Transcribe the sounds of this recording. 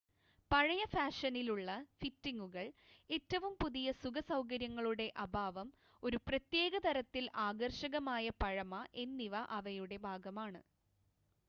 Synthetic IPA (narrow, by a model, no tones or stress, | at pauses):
pɐɻɐjɐfaːʂɐniluɭːɐfitːiŋɡuɣɐɭe̞tːɐʋumpuðijɐsuɣɐsɐwk̬ɐɾjɐŋːɐɭuɽe̞ʔɐbʱaːʋɐm | o̞ɾuprɐt̪jeːɡɐt̪ɐɾɐt̪ːilaːɡɐrʂɐɣɐmaːjɐpɐɻɐmɐʔe̞nːiʋɐʔɐʋɐjuɽe̞bʱaːɡɐmaːɳɨ